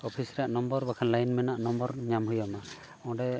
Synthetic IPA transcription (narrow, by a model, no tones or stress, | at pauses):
ɔpʰisɾaʔnɔmbɔɾbakʰanlajnmɛnaʔnɔmbɔɾɲamɦujɔma | ɔ̃ɖɛ